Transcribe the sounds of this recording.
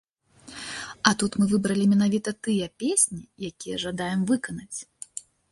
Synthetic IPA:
ɐt̪ut̪mɨvɨbɾɐlʲimʲɛnavʲit̪ɐt̪ɨjɛpʲesʲnʲijakʲijɛʐad̪ajɛmvɨkɐnɐt͡sʲ

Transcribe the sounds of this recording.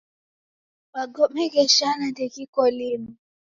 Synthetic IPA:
ɓaɡɔmɛɣɛʃanandɛkikɔlimu

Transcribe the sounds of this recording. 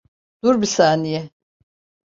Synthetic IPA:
d̪̥uɾbisaːnijɛ

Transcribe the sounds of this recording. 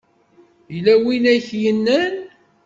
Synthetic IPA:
jlæwinæçjənːən

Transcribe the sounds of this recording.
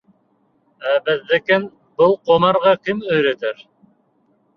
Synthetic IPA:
æbɘ̆ðːɘ̆kɘn | bɤlˠqomɑɾʁɑkimɵ̆jɾæt̪ɘɾ

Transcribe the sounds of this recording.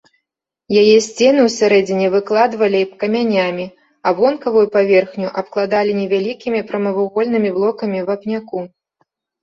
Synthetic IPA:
jajɛsʲt͡sʲɛnɨwsʲaɾɛd͡zʲinʲɛvɨklˠad̪vɐlʲiipkɐmʲanʲamʲi | avɔnkɐvujupavʲɛrxnʲuʔɐp̚klˠad̪alʲinʲɛvʲalʲikʲimʲipɾɐmɐvuɣɔlʲnɨmʲiblˠɔkɐmʲivapnʲaku

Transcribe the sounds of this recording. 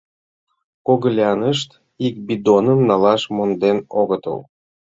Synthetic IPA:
koɣəlʲiɑnəʃt̪ | ik̚bid̪onənːɑlɑʃmond̪enoɣət̪ə̰l

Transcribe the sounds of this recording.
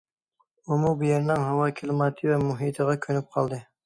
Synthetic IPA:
umubɪjɛɾnɪŋɦɑwɑːkʲʰilˠmɑt̪ʰɨvɛmuɦit̪ʰəʁɑkʲʰønyp̚qʰɑlˠd̪ɨ

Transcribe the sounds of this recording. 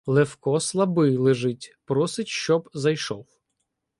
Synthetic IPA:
lˠewkɔslˠɐbɪjlˠeʒɪtʲpɾɔsɪtʲʃt͡ʃɔbzɐjʃɔw

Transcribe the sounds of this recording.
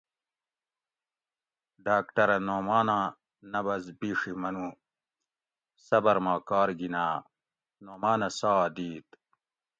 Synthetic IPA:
ɖaːkʈɐɾɐnoːmaːnã | nɐbɐzbiːʂimɐnũ | sɐbɐɾmaːkaːɾɡinaː | noːmaːnɐsaːd̪iːt̪

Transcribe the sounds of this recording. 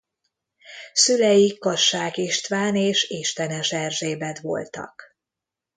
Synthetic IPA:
sylɛjikːɒʃːaːkiʃt̪ʋaːneːʃiʃt̪ɛnɛʃɛrʒeːbɛt̪ʋo̞̰lt̪ɒ̰k

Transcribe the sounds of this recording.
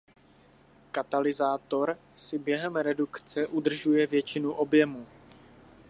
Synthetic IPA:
kat̪alɪzaːt̪o̞ɾ | sɪbjɛɦɛmɾɛdukt͡sɛʔud̪r̩ʒujɛvjɛt͡ʃɪnuʔo̞bjɛmu

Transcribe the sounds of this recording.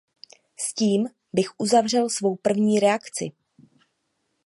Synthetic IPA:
sciːm | bɪxʔuzavr̝ɛlsvo̞wpr̩vɲiːɾɛakt͡sɪ̰

